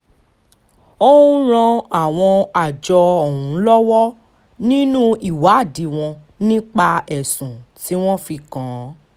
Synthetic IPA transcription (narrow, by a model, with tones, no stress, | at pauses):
o˦ũ˦ɾ̃ã˧a˦˨w̃ɔ̃˧a˨d͡ʒɔ˧ɔ˨ɦũ˨˦lɔ˦wɔ˦ | nĩ˦nũ˦i˨wa˨˦˨di˨˦w̃ɔ̃˧ | nĩ˦k͡pa˧ɛ˨sũ˨ti˨˦w̃ɔ̃˦fi˧kã˨˦